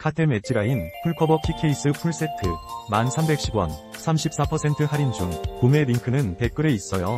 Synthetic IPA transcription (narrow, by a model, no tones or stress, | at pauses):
kʰatʰeme̞t͡ɕ͈ʰiɾainpʰuɭkʰʌbʌpʰikʰe̞is͈ɯpʰuɭs͈e̞tʰɯmansʰambe̞k̚ɕ͈ʰibwʌ̰nsʰamɕʰip̚s͈apʰʌsʰe̞ntʰɯhaɾind͡ʑumkome̞ɾiŋkʰɯnɯnpe̞k͈ɯɾe̞is͈ʌjo